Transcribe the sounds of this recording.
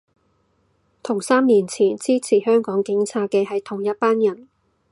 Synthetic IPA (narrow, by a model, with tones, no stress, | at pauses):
t̪ʰʊ˨˩ŋsaː˥miː˨˩nt͡sʰiː˨˩nt͡siː˥t͡sʰiː˨˩hœː˥ŋkɔː˨˥ŋkɪ˨˥ŋt͡sʰaː˧t̚kɛː˧ɦɐ˨jt̪ʰʊ˨˩ŋjɐ˥t̚paː˥njɐ˨˩n